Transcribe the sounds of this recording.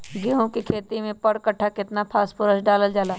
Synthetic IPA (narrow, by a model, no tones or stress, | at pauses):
ɡɪɦõkikʰeːt̪imẽpɐɽkɐʈʰːakɪt̪napʰaːspʊɾəsɖaːləld͡ʒaːlaː